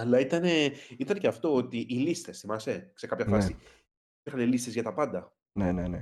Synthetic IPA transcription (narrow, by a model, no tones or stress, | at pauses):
ɐlːɐit̪ɐne̞it̪ɐneceɐft̪o̞ot̪iʔilist̪e̞sθimɐse̞sekɐpçɐfɐsi | piɾxɐnelist̪e̞zʝɐt̪ɐpɐnd̪ɐ | nenene